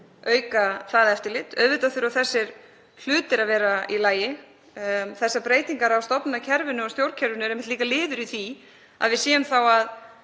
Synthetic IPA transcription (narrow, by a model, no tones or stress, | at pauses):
œːɥkaθaːðɛft̪ɪɾlɪt̪œðvɪt̪aθʏɾaθɛsːɪɾ̥ | l̥ʏːt̪ɪɾaðvɛːɾailaːjɪ | θɛsːapɾeːjt̪iŋkaɾawst̪ɔpnɪnacʰɛɾvʏnʏɔst̪jowɾcʰɛɾvʏnʏɛɾejmɪt̪liːkalɪːðʏɾiθi | a̰ðvɪðsiːjʏmθawað